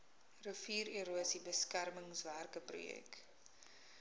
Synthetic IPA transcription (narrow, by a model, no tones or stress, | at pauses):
rəfiːɾiɾuəsibəskærməŋsværkəprṵjɛ̰k